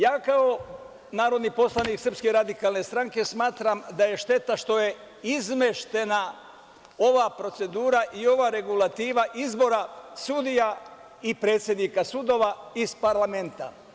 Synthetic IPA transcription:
jaːkao̞ | naːɾo̞d̪nipo̞slˠaniksrpske̞ɾad̪ikalne̞st̪ɾaŋke̞smaːt̪ɾamd̪aje̞ʃt̪e̞t̪aʃt̪o̞je̞ | izmeʃt̪e̞na | o̞ʋapɾo̞t̪se̞d̪uːɾaʔio̞ʋaɾe̞ɡulat̪iːʋaʔizbo̞ɾasud̪ija | ipɾe̞ːt̪sʲje̞d̪nikasud̪o̞ʋaispaɾlame̞nt̪a̰

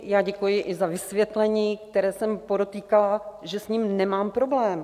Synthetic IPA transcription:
jaːɟɛkujɪʔɪzavɪsvjɛt̪lɛɲiːkt̪ɛɾɛːsɛmpoɾot̪iːkalaʒɛsɲiːmnɛmaːmpɾo̞blɛːm

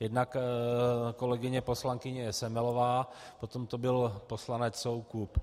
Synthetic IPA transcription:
jɛdnak | ko̞lɛɡɪɲɛpo̞slaŋkɪɲɛsɛmɛlo̞vaː | po̞t̪o̞mt̪obɪlpo̞slanɛt͡sːowkup

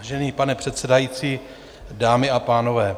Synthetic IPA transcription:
ʒɛniːpanɛpr̝̥ɛt̪sɛdajiːt͡siː | daːmɪʔapaːno̞vɛː

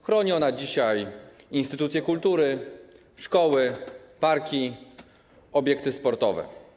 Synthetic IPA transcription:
xɾɔɲiɔnad͡ʑiɕaj | inst̪ɘt̪ut̪sʲjɛkult̪uɾɘ | ʂkɔwɘpaɾkʲi | ɔbʲjɛkt̪ɘspɔɾt̪ɔvɛ̰

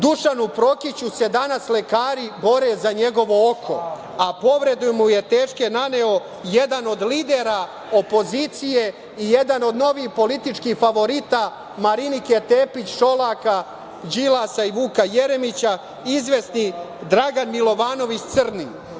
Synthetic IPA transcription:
d̪uʃanupɾo̞kit͡ɕuse̞d̪anasle̞kaːɾibo̞ɾe̞ːzaɲe̞ɡo̞ʋo̞okʰo̞̰ | apo̞ʋɾe̞d̪umuje̞t̪e̞ːʃkenane̞o̞ | je̞d̪ano̞d̪liːd̪e̞ɾa | o̞po̞zit̪sije | ijed̪ano̞d̪no̞ʋihpo̞lit̪it͡ʃkifaʋo̞ɾit̪a | maɾinike̞t̪e̞ːpit͡ɕʃo̞laka | d͡ʒilˠasaiʋuːkajeɾemit͡ɕa | izʋesnid̪ɾaɡanmilo̞ʋaːno̞ʋit͡ɕt̪sɨr̩ni

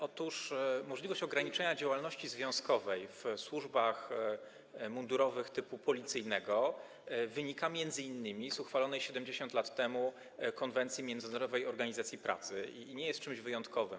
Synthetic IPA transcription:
ʔɔt̪uʂmɔʐlʲivɔɕt͡ɕɔɡɾaɲit͡ʂɛɲad͡ʑawalnɔɕt͡ɕizvʲjɔ̃w̃skɔvɛjfswuʐbax | mund̪uɾɔvɘxt̪ɘpupɔlʲit̪sɘjnɛɡɔ | vɘɲikamʲjɛnd̪zɘinːɘmʲizuxfalɔnɛjɕɛd̪ɛmd͡ʑeɕɔnt̪lat̪ːɛmu | kɔnvɛnt̪sʲjimʲjɛnd̪ɘnaɾɔd̪ɔvɛjɔɾɡaɲizat̪sʲjipɾʔa̰t̪sɘʔiːɲɛjɛst̪t͡ʂɘmʑvɘjɔnt̪kʰɔvɘm

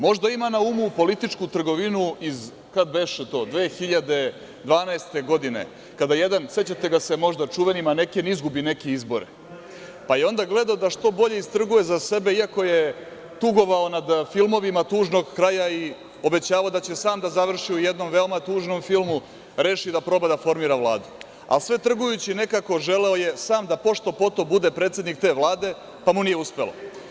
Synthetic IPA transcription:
mo̞ʒd̪aimanaumupo̞lit̪it͡ʂkut̪r̩ɡo̞ʋinuiz | kad̪beʃet̪o̞ːd̪ʋe̞ːxiʎad̪e̞ | d̪ʋaːnaest̪e̞ɡo̞d̪ine̞̰ | kad̪aje̞d̪anse̞t͡ɕat̪e̞ɡasemo̞ʒd̪at͡ʂuʋe̞nimane̞kenizɡubine̞keizbo̞̰ɾḛ | pajeo̞nd̪aɡle̞d̪aod̪aʃt̪o̞bo̞ʎe̞ist̪r̩ɡuje̞zase̞be̞iako̞je | t̪uɡo̞ʋao̞nad̪filˠmo̞ʋimat̪uːʒno̞ɡkɾajai | o̞be̞t͡ɕaːʋaod̪at͡ɕesaːmd̪azaʋr̩ʃiujed̪no̞mʋe̞omat̪uːʒno̞mfilˠmu | ɾe̞ːʃid̪apɾo̞bad̪afo̞ɾmiːɾaʋlˠa̰ːd̪u | a̰lsʋe̞t̪r̩ɡujut͡ɕine̞kako̞ʒe̞leoje̞saːmd̪apo̞ʃt̪o̞po̞t̪o̞bud̪e̞pɾe̞ːt̪se̞d̪nik̚t̪e̞ːʋlˠaːd̪e̞ | pamunije̞uspe̞lo̞̰

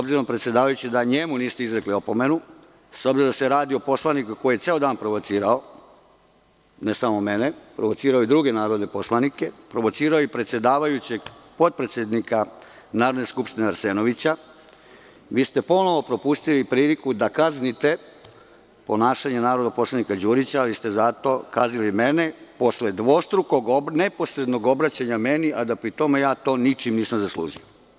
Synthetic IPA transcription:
sobziɾo̞mpɾet̪sje̞d̪aːʋajut͡ɕid̪aɲe̞muniːst̪eizɾeklio̞po̞me̞nu | sobziond̪aseɾaːd̪io̞po̞slanikuko̞jijeseod̪aːnpɾo̞ʋo̞t̪siːɾao | nesamo̞me̞ne̞pɾo̞ʋo̞t̪siːɾaoid̪ɾuːɡe̞naːɾo̞d̪ne̞po̞slanike̞pɾo̞ʋo̞t̪siːɾaoipɾet̪sje̞d̪aːʋajut͡ɕe̞ɡpo̞d̪̚pɾet̪sje̞d̪nika | naːɾod̪ne̞skupʃt̪ineaɾseːno̞ʋit͡ɕa | ʋiːst̪epo̞no̞ʋo̞pɾo̞pust̪ilipɾiːlikud̪akaznit̪e̞ | po̞naːʃaɲenaːɾo̞d̪apo̞slˠanikad͡ʑuːɾit͡ɕaːlist̪e̞zat̪o̞kazilime̞ne̞po̞sled̪ʋo̞ːst̪ɾuko̞ɡone̞po̞sɾe̞d̪no̞ɡo̞bɾat͡ɕaɲame̞niʔad̪apɾit̪o̞me̞jaːt̪o̞ːnit͡ʃimniːsamzaslˠṵːʒio

